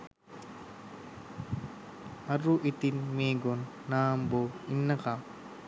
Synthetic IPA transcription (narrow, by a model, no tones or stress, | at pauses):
ɐɾuʔit̪inmeːɡonːaːmboinːɐkam